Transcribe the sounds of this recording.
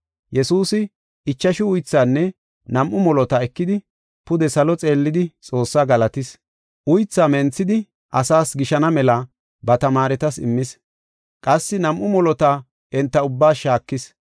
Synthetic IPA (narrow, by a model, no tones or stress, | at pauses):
jɛsuːsɪ | ɪt͡ʃːɐʃɪʊjt͡sːaːnːɛ | nɐmʔʊmɔlɔt̪ɐɛkːɪd̪ɪ | pʊd̪ɛsɐlɔt͡sʼe̞ːlːɪd̪ɪt͡sʼo̞ːsːaːɡɐlɐt̪ɪs | ʔʊjt͡sːaːmɛnt͡sːɪd̪ɪ | ʔɐsaːsɡɪʃɐnɐmɛlɐ | bɐt̪ɐmaːɾɛt̪ɐsɪ̰mːɪs | kʼɐsːɪnɐmʔʊmɔlɔt̪a | ɛnt̪ːɐʊbːaːʃaːkːɪs